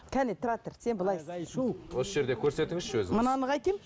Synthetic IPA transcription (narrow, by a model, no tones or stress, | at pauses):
kʲʰænet̪ʰɾat̪ərsenbəlˠɑjswo̞səʒe̞ɾd̪e̞kʲʰɵɾse̞t̪ɪŋɪzʃwɵzɪmənɑnəʁɑjkʲem